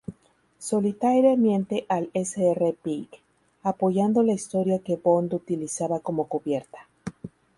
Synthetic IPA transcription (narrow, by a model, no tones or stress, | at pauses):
so̞lit̪ajɾjamjẽ̞nt̪e̞ʔaleseerepik | apo̞ʝand̪o̞laist̪o̞ɾjake̞bo̞nd̪ut̪ilisaβako̞mo̞kuβje̞ɾt̪ḁ